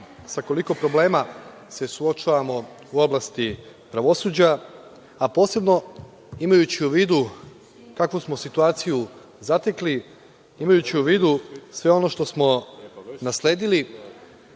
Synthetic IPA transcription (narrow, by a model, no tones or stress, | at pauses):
sako̞liko̞pɾo̞ble̞ːma | se̞suot͡ʃaʋamo̞ | uo̞blast̪ipɾaʋo̞suːd͡ʑa | apo̞ːse̞bno̞ | imajut͡ɕiuʋiːd̪u | kakʋusmo̞sit̪uaːt̪siju | zat̪ekli | imajut͡ɕiuʋiːd̪usʋe̞o̞no̞ʃt̪o̞smo̞nasle̞ːd̪ili